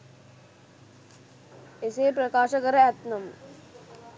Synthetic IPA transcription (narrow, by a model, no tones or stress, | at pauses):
eseːp̬ɾɐkaːʃɐkɐɾɐɛt̪nɐm